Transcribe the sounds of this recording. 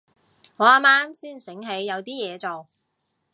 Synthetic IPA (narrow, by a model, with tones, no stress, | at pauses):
ŋɔː˨˧aː˧˥maː˥msiː˥˩nsɪ˨˥ŋɦe˨˧˥jːɐ˨˧wt̪iː˥jɛː˨˧t͡so˨w